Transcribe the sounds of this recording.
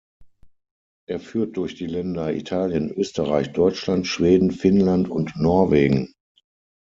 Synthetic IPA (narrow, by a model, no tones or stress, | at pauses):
ʔeːɐfyːɐt̚d̥ʊɐçd̥iːlɛndɐḭtʰaːljənʔøːstəʁaɪçd̥ɔʏt͡ʃlantʃv̥eːdn̩fɪnlantʊntnɔɐveːɡŋ̩